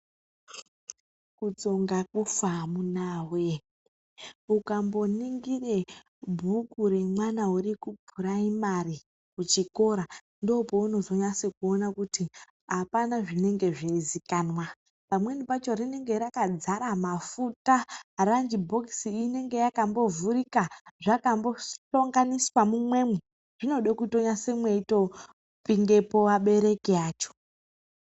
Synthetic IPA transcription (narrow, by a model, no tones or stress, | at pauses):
kut͡so̞ŋɡakufamunaːwe̞ | ukambo̞niŋɡire | bʱukuɾe̞mwanaurikubʱuɾaimari | kut͡ʃiko̞ɾa | ndo̞pouno̞zo̞ɲasikuo̞nakuti | apanaʐine̞ŋɡe̞ʐeizikanwa | pamwe̞nipat͡ʃo̞rine̞ŋɡe̞ɾakad͡zaɾamafutarand͡ʒibʱo̞ksiːine̞ŋɡe̞jakambo̞vurikaʐakambo̞ɬoŋɡaniswamumwe̞mwe | ʐ̥ino̞ɗakuto̞ɲase̞mweito̞ | piŋɡe̞po̞ʋaɓe̞ɾe̞kiaːt͡ʃo̥